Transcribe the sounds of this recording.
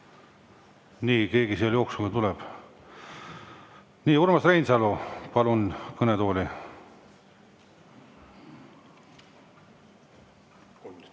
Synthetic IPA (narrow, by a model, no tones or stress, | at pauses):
niːke̞ːɡisiɑljo̞ːksulɡ̥ɑt̪ulɛb̥ | niːuɾmɑsrejnsɑlupɑlunkɤnet̪o̞ːli